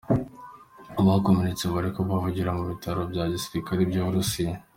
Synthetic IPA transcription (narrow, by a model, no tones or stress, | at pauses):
aβahakominit͡seβaɾikoβavuɟiɾamuβitaɾobjaːɟisβikaɾibɟoβuɾusija